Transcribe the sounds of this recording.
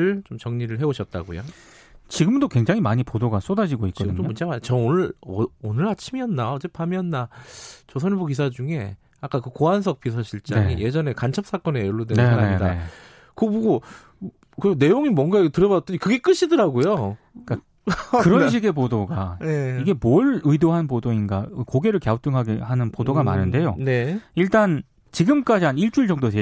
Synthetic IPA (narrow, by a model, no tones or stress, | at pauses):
ɯɭt͡ɕomt͡ɕʌŋɲiɾɯɭɦe̞oɕʰʌt̚t͈a̰ɡo̰jo̰ | t͡ɕiɡɯmdokwe̞ŋd͡ʑaŋimaɲipodoɡas͈odad͡ʑiɡoikt͡ɕk͈ʌdɯɲt͡ɕomomund͡ʑemat͡ɕʌonɯɭʌonɯɭhat͡ɕʰimiʌnːaʌd͡ʑepʰamiʌnːat͡ɕosʰʌnbokis̬ʰad͡ʑuŋe̞ | ak͈akɯkoɦans̬ʰʌk̚p͈ʰisʰaɕʰiɭt͡ɕ͈aŋḭje̞d͡ʑʌne̞kant͡ɕʰʌp̚s͈ak͈ʌne̞oɭːodwennsʰaɾaiɲda̰ | kɯbuɡo | kɯone̞joŋimwʌnɡatɯɾʌbat͈ʌɲikɯɡe̞k͈ɯɕʰidɯɾaɡojo | k͈a | kɯɾʌnɕ̬ʰiɡe̞podoɡaeiɡe̞moɭɯidoɦanpodoinɡa̰ɯkoɡe̞ɾɯɭkjaot͈ɯŋɦaɡehanɯnpodoɡama̰nɯnde̞jo̰ne̞iɭt͈an | t͡ɕiɡɯmk͈ad͡ʑiɦaniɭt͡ɕ͈uɭd͡ʑʌŋdotʰe